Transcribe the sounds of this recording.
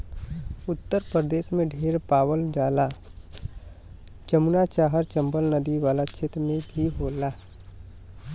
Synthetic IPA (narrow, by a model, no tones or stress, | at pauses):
ʊt̪ːəɾpɾəd̪eːʃmẽɖʱeːɾpaːwəld͡ʒaːla | t͡ʃəmunat͡ʃaːɦəɾt͡ʃɐ̃mbəlnəd̪iʋaːlat͡ʃʰet̪mẽbʱiɦoːlaː